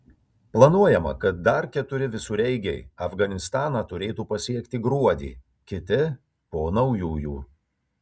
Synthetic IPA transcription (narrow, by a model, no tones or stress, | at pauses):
plˠɐnuɔjɛmɐ̰kɐt̪̚d̪ɐɾkʲɛt̪ʊɾʲɪʋʲɪsuːɾʲɛɪɡʲɛɪɐfɡɐnʲɪst̪ɑːnɑːt̪ʊɾʲeːt̪uːpɐsʲiɛkt̪ʲɪɡɾuɔd̪ʲḭː | kʲɪt̪ʲɪ | poːnɐʊjuːjuː